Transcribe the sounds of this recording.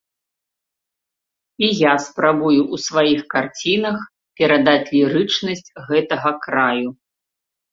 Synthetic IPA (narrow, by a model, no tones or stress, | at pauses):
ijaspɾabujuʔusvajixkart͡sʲinɐx | pʲɛɾad̪at͡sʲlʲiɾɨt͡ʂnɐsʲt͡sʲɣɛt̪ɐɣɐkɾaju